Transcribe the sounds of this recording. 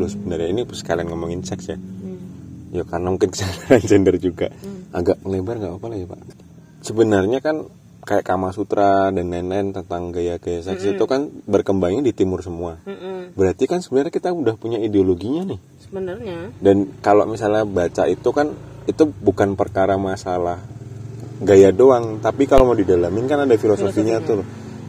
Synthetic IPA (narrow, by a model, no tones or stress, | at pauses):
lʊsəbənərɲainipsə̥kalianŋəmaŋɪnsɛksja | jakarnamuŋkɪnkə̥saaansɛndərd͡ʒuɡa̰ʔaɡaʔəlebarŋɡaʔapalaɡipa̰ʔ | səbənərɲakan | kajaʔkamasut̪ɾʔadanːɛnɛnt̪ənt̪aŋɡajaɡajasɛksit̪ukanbərkəmbaŋɲadit̪imʊrsəmuabəɾart̪ikansəbənərɲakit̪audahpuɲaideoloɡiɲanɪh | dankalo̰ʔmisalɲabat͡ʃaʔit̪ukanit̪ubukanpərkaɾamasalah | ɡajadoaŋt̪apikalomawdidalamɪnkanadafilosofiɲat̪ʊl